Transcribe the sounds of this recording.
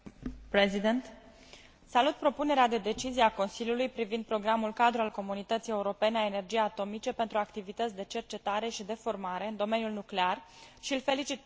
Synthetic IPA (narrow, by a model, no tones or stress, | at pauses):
pɾezid̪ent̪ | salut̪̚pɾo̞pune̞ɾead̪e̞d̪e̞t͡ʃizieako̞nsiljulujpɾivind̪̚pɾo̞ɡɾamulkad̪ɾualko̞munit̪ət̪sije̞uɾo̞pe̞neaene̞rd͡ʒijeat̪o̞mit͡ʃe̞pe̞nt̪ɾuakt̪ivit̪ət̪sʲd̪e̞t͡ʃe̞rt͡ʃe̞t̪aɾe̞ʃid̪e̞fo̞rmaɾe̞ɨnd̪o̞me̞njulnukle̞arʃiɨlfe̞lit͡ʃit̪̚